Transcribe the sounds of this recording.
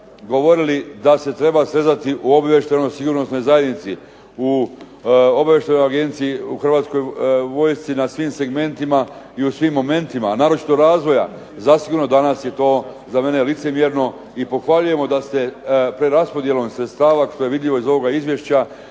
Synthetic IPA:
ɡo̞ʋo̞ɾilid̪ase̞t̪ɾe̞basɾe̞zat̪iʔuo̞baʋjeʃt̪eno̞jsiɡuɾno̞sno̞jzajed̪nit̪si | u | obaʋje̞ʃt̪enojaɡe̞nt̪sijiuxrʋaːt̪sko̞jʋo̞jst̪sinasʋiːmse̞ɡme̞nt̪ima | iusʋiːmːo̞me̞nt̪imanaːɾo̞t͡ʃi̥t̪oɡɾaːzʋo̞ja̰ | zasiɡuɾno̞d̪anasje̞t̪o̞ː | zame̞nelit̪se̞mje̞ɾno̞ | ipo̞xʋaʎuje̞mo̞d̪ast̪e̞pɾe̞ɾaspo̞d̪je̞lo̞msɾet̪st̪aːʋaʃt̪oje̞ʋid̪ʎʲiʋo̞izo̞ʋo̞ɡaizʋje̞ʃt͡ɕa

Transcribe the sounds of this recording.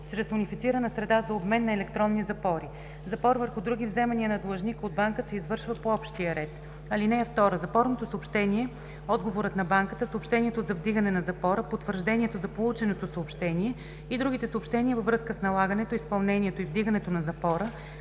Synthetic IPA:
t͡ʃɾɛsʊnifit̪siɾənɐsɾɛd̪azɐobmɛnːɐɛlɛk̚t̪ɾɔnːizɐpɔɾi | zɐpɔɾvəɾxʊd̪ɾuɡivzɛmɐniənɐd̪lˠəʒnikod̪baŋkəsɛizvɤɾʃvəpoɔpʃt̪iəɾɛt̪ | ɐlinɛːft̪ɔɾəzɐpɔɾnot̪osəopʃt̪ɛnʲiɛ | ɔd̪ɡovoɾət̪nɐbaŋkət̪əsopʃt̪ɛniɛt̪ozɐvd̪iɡənɛnɐzɐpɔɾəpot̪ːvəɾʒd̪ɛniɛt̪ozɐpolˠut͡ʃɛnot̪osəopʃt̪ɛniɛ | id̪ɾuɡ̟it̪ɛsoːpʃt̪ɛniəvəvɾɤskəsnɐlˠaɡənɛt̪oispɐlˠnɛniɛt̪oivd̪iɡənɛt̪onɐzɐpɔɾə

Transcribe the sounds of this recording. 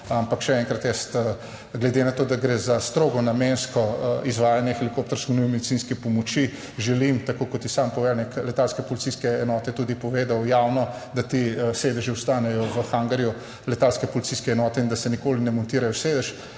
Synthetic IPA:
ampakʃɛɛŋkɾat̪jɛst̪ | ɡlɛd̪enat̪oːd̪aɡɾezast̪ɾoːɡɔnamenskɔizʋaːjanjɛxɛlikoːp̚t̪ɔɾskɔniwɛmɛd̪isiːnskɛpɔmɔt͡ʃi | ʒɛlimt̪akokɔt̪ːisampɔʋɛlniklɛt̪alskɛpɔlit̪siskɛːnɔːt̪ɛt̪uːd̪ipɔʋeːd̪awjawnɔ | d̪at̪iseːd̪əʒiɔst̪aːnɛjɔʋəxaŋɡəɾju | lɛt̪alskɛpɔlit̪siskɛːnɔːt̪ɛind̪asɛnikoːlinɛmɔnt̪iːɾajɔseːd̪əʃ

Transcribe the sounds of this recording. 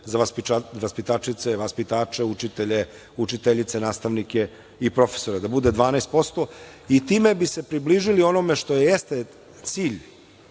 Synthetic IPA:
zaʋaspiaʋaspit̪aːt͡ʃit̪seʋaspit̪aːt͡ʂe̞ut͡ʃit̪eʎe | ut͡ʃit̪eʎit̪senaːst̪aʋnike̞ | ipɾo̞fe̥so̞ɾed̪abud̪e̞d̪ʋaːnajst̪̚po̞st̪o | it̪iːme̞bise̞pɾibliʒilio̞no̞me̞ʂt̪o̞jejest̪e | t̪siːʎ

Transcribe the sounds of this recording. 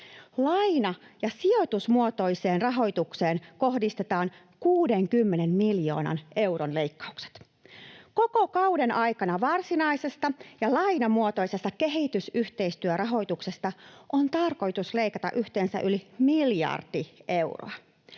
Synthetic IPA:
lɑjnɑjɑsio̞t̪usmuot̪o̞jse̞ːnrɑɦo̞jt̪ukse̞ːnko̞ɦdist̪e̞t̪ɑːŋ | kuːde̞ŋkymːe̞ne̞nmiljo̞ːnɑ̰nʔe̞wronle̞jkːɑ̥ukse̥t̪ | ko̞ko̞kɑwde̞nʔɑjkɑnɑʋɑrsinɑjse̞st̪ɑjɑlɑjnɑmuot̪o̞isest̪ːɑke̞ɦit̪ysyht̪e̞jst̪yørʔɑɦo̞jt̪ukse̞st̪ɑʔont̪ɑrko̞jt̪usle̞jkɑt̪ɑ̰ʔyht̪e̞ːnsæ̰ʔylimiljɑ̰rd̥iʔe̞wro̰ɑ

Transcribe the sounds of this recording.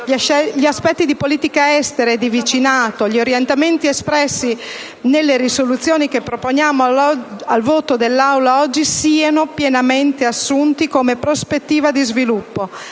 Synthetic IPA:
ʎiaspɛt̪ːid̪ipoliːt̪ikaɛst̪eɾaed̪ivit͡ʃinaːt̪oʎioɾjent̪ament̪iespɾɛsːi | nelːeɾisolut̪sːjoːnikepːɾopoɲjaːmoalvoːt̪od̪elːawlaɔd͡ʒːisiːanopjenament̪easːunt̪ikomepɾospet̪ːiːvad̪izvilupːo

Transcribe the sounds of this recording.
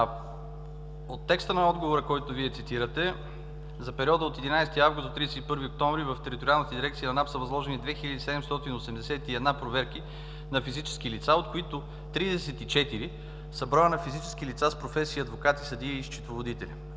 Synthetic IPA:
ot̪ːɛkst̪ənɐɔd̪ɡovoɾəkɔjt̪ʊviɛt̪sit̪iɾət̪ɛ | zɐpɛɾiɔd̪əot̪ɛd̪inajsɛt̪iavɡʊst̪t̪ːɾiɛsɛt̪ipɤɾviok̚t̪ɔ̃ɱvɾivəft̪ɛɾit̪oɾʲialˠnət̪əd̪iɾɛkt̪sijɐnɐnapsəvɐzlˠɔʒɛnid̪vɛxilʲɐd̪isɛd̪ɛmst̪ɔt̪inosɛmd̪ɛsɛt̪iɛd̪napɾovɛɾk̟i | nɐfizit͡ʃɛ̥skilit̪saot̪̚koit̪o | t̪ɾid̪ɛsɛt̪it͡ʃɛt̪iɾi | sɐbɾanɐfizit͡ʃɛ̥sk̟ilit̪saspɾofɛsiiɐd̪vokat̪isɐd̪iəiʃt͡ʃi̥t̪lˠovod̪it̪ɛlʲi

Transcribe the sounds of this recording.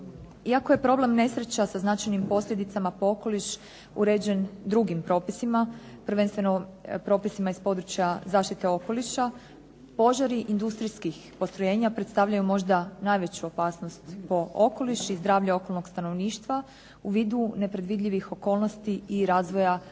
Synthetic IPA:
iakoje̞pɾo̞ble̞mne̞sɾet͡ɕasaznat͡ʃajnimpo̞slʲe̞d̪it̪samapo̞oko̞liʃ | ṵɾe̞ːd͡ʑe̞nd̪ɾuɡimpɾo̞ːpisima | pr̩ʋe̞nst̪ʋe̞no̞pɾo̞pisimaispo̞d̪ɾut͡ɕjazaːʃt̪it̪e̞o̞ko̞liʃa | po̞ʒaɾiʔind̪ust̪ɾiskixpo̞st̪ɾo̞je̞ːɲapɾe̞t̪st̪aʋʎajumo̞ʒd̪anaːjʋe̞t͡ɕuo̞paːsnost̪po̞o̞ko̞liʃizd̪ɾaːʋʎao̞ko̞lˠno̞ɡ̥st̪ano̞ʋniːʃt̪ʋa | uʋiːd̪une̞pɾe̞d̪ʋid̪ʎʲiʋixo̞ko̞ːlˠno̞st̪iiɾaːzʋo̞ja

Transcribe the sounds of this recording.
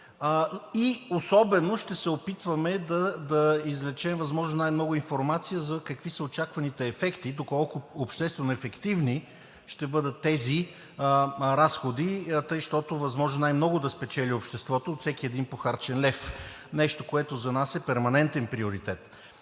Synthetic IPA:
iosɔbɛnoʃt̪ɛsɛopit̪vɐmɛd̪ɐd̪ɐizlɛt͡ʃɛmvɐzmɔʒnonajmnɔɡʊinfoɾmat̪sijəzɐkɐkvisəot͡ʃakvɐnit̪ɛːfɛkt̪id̪okɔlˠkʊːpʃt̪ɛst̪vɛnoɛfɛkt̪ivni | ʃt̪ɛbɤd̪ət̪ːɛzi | ɾasxod̪it̪ɤjʃt̪ɔt̪ovɐzmɔʒnonajmnɔɡʊd̪ɐspɛt͡ʃɛlʲiopʃt̪ɛst̪vɔt̪oːt̪sɛkʲiɛd̪inpoxaɾt͡ʃɛnlɛf | nɛʃt̪okoɛt̪ʊzɐnasɛpɛɾmɐnɛnt̪ɛnpɾioɾit̪ɛt̪

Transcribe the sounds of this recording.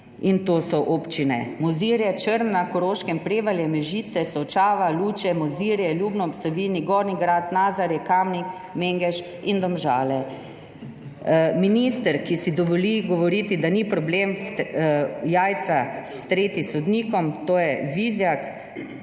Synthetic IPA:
int̪oːsɔʔoːpt͡ʃinɛ̰mɔziɾjɛt͡ʃəɾnːakɔɾoːʃkɛmpɾeːʋaljɛmɛʒit̪sɛsɔt͡ʃaːʋaluːt͡ʃɛmɔziːɾjɛljuːbnɔpsɔʋiːniɡɔːɾniɡɾat̪naːzaɾjɛkamnik | meŋɡɛʃ | ind̪ɔmʒaːlɛ | minist̪əɾkisid̪ɔʋɔliɡɔʋɔɾiːt̪id̪anipɾɔblem | jaːjt̪sast̪ɾeːt̪isɔd̪niːkɔmt̪oːjɛʋizjak

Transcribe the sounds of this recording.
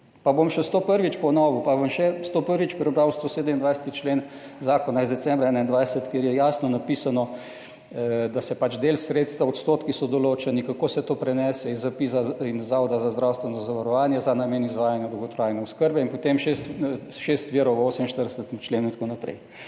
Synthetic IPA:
pabomʃɛst̪opəɾʋit͡ʃpɔnɔːʋupaʋəmʃɛst̪opəɾʋit͡ʃpɾɛbɾawst̪oːseːd̪əmind̪ʋajsə̥t̪it͡ʃleːn | zaːkonaizd̪ɛtt͡s̪sɛmbɾaɛnaind̪ʋajsət̪keɾjɛjaːsnɔnapiːsanɔ | d̪asɛpat͡ʃd̪elsɾet̪st̪ʋaot̪st̪oːt̪kisɔd̪ɔloːt͡ʃɛnikakoːsɛt̪oːpɾɛnɛsɛizːapiːsainzaɔd̪azazd̪ɾaːwst̪ʋɛnɔzɐzaʋaɾɔʋaːnjɛzanameːnizʋaːjanjad̪owɡɔt̪ɾajnɛʊskəɾbɛinpɔt̪emʃest̪ | ʃest̪ʋiːɾɔwʋəoːsəminʃt̪əɾd̪ɛsət̪mt͡ʃleːnuint̪akonapɾɛ̰j

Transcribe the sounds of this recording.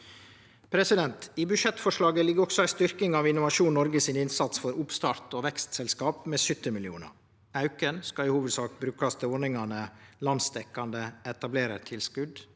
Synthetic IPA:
pʰɾɛsɪd̪ɛnt̪iːbʉʃɛt̪fɔʂɭɑːɡəlɪɡːəɾɔksɔæɪst̪ʏɾkɪŋɑʋɪnʊʋɑʃuːnnɔɾɡəsɪnɪnsɑt̪sfɔɾʊpst̪ɑːɾt̪oːʋɛkst̪sɛlskɑːpmeːsʏt̪ːəmɪlɪuːnə̰ɾ | ɑʉkənskɑɪhuːʋəd̪sɑːk̚t̪bɾʉːkɑst̪ʰɪoːɳɪŋɑnəlɑnst̪ɛkːɑnd̪əɛt̪ɑbleːɾə̰t̪ʰɪlskʉd̪

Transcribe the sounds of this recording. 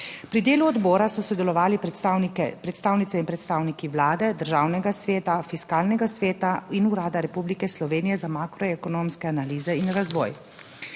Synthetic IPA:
pɾid̪eːluɔd̪bɔːɾasɔsɔd̪ɛlɔʋaːli | pɾɛt̪st̪aːwnit̪ɛinpɾɛt̪st̪aːwnikiʋlaːd̪ɛd̪əɾʒaːwnɛɡasʋeːt̪afiskaːlnɛɡasʋeːt̪ainuɾaːd̪aɾɛpublikɛslɔʋeːnijɛzamakɾɔɛkɔnomskɛanaliːzɛinɾazʋɔ̰ːj

